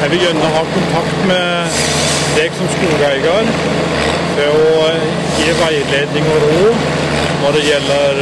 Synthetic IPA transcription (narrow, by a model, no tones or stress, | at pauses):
æʋɪɡœnːəɦɑkʰʊnt̪ʰɑkt̪mɛ | d̪eɡsɔmsk̪uːɡæɪɡɑɾ | ʋɛɔ | jiːʋæɪleːd̪nɪŋəɾoː | nɔɖɛjɛlːəɾ